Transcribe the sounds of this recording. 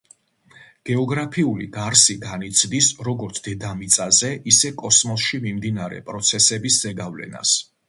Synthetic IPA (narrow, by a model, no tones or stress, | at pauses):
ɡ̥ɛɔɡɾapʰiulḭɡaɾsiɡanit̪sʰd̪isɾɔɡɔɾt̪sʰd̪̥ɛd̪amit̪sʼazɛʔisɛkʼɔsmɔsʃimimd̪inaɾɛ̰pʼɾɔt̪sʰɛsɛbiszɛɡavlɛ̰na̰s